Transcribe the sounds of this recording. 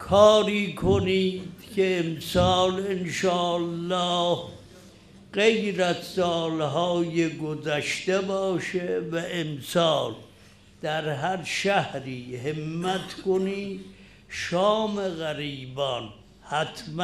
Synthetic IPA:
kʰɒːɾiːkʰoniːd̪̥kʰeemsɒːlenʃɒːlːɒːh | ɢejɾæzsɒːlɦɒːjeɡozæʃt̪ebɒːʃevæʔemsɒːl | d̪̥æɾɦæɾʃæhɾiːhemːæt̪ʰkoniːd̪ | ʃɒːmeɣæɾiːbɒn | hæt̪ʰm

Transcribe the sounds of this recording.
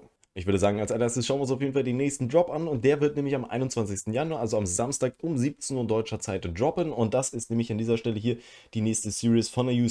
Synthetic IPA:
ʔɪçv̥ʏɐdəzaːɡŋ̩alsaneːɐstəsʃaʊnvɪʊns̬aʊfjeːdn̩faldeːnːɛːçstn̩dʁɔpanʊnt̚d̥eːɐvɪɐtnɛːmlɪçamʔa̰ɪnʊntt͡sv̥ant͡sɪçstn̩januaɐʔalzoamzamstaːkʊmziːp̚t͡senuːɐdɔʏt͡ʃɐt͡saɪtdʁɔpənʊnt̚d̥asɪstnɛːmlɪçandiːzɐʃtɛləɦiːɐ | d̥iːnɛːçstəsiːʁisfɔnɛjuː

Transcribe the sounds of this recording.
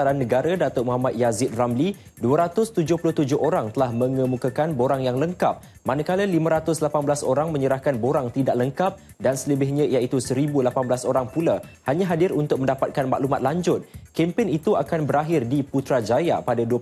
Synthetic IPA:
aɾanːəɡaɾadat̪ʊʔ̚muɦamat̪̚jazɪt̪̚ramli | duəɾat̪ʊst̪ud͡ʒʊhpulʊht̪ud͡ʒʊɦoɾaŋt̪əlahmə̃ŋəmukakanboɾaŋjaŋləŋkap̚ | manakaləlimãɾat̪ʊslapanbəlasoɾaŋmə̃ɲəɾahkanboɾaŋt̪idaʔ̚ləŋkap̚ | dansələbɪɦɲãijait̪usəɾibulapanbəlasoɾaŋpulahaɲãɦadɪɾunt̪ʊk̚mə̃ndapat̪̚kanma̰ʔlumat̪̚laɲd͡ʒʊt̪̚kɛmpɪnit̪uakanbəɾaɦɪrdiput̪ɾad͡ʒajapadaduə

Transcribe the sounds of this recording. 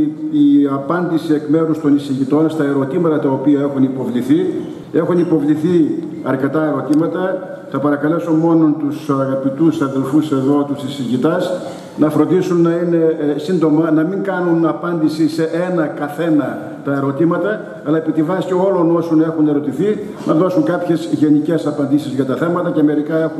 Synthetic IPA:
iɐpɐnd̪isie̞kme̞ɾust̪o̞nisiʝit̪o̞nst̪ɐe̞ɾo̞t̪imɐt̪ɐt̪ɐopiɐe̞xunipo̞vliθi | e̞xunipo̞vliθi | ɐɾce̞t̪ɐe̞ɾo̞t̪imɐt̪ɐ | θɐpɐɾɐkɐle̞so̞mo̞no̞nt̪usɐɣɐpit̪usɐðe̞lfuse̞ðo̞t̪usisiʝit̪ɐs | nɐfɾond̪isunːɐine̞sind̪o̞mɐnɐmiŋkɐnunɐpɐnd̪isise̞ʔenɐkɐθe̞nɐ | t̪ɐe̞ɾo̞t̪imɐt̪ɐː | lɐepit̪ivɐsceo̞lo̞no̞so̞ne̞xune̞ɾo̞t̪iθi | nʔɐðo̞suŋkɐpçe̞zʝe̞nice̞sɐpɐnd̪isizʝɐt̪ɐθe̞mɐt̪ɐceme̞ɾikɐe̞xun

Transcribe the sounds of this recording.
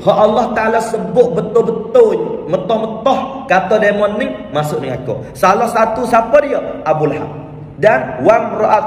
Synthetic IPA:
hɔʔalːɔht̪aalasəbʊʔ̚bət̪ʊbət̪ʊmət̪ɔhmət̪ɔhkat̪ɔdemɔnːi | masʊʔnəŋakɔ̰ | salɔhsat̪usapɔdiɔʔabulɦa̰k̚ | danwaŋrɔʔat̪̚

